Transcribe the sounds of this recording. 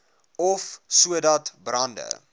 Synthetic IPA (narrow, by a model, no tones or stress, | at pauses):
ɔfsuədɐtbrɐndə̰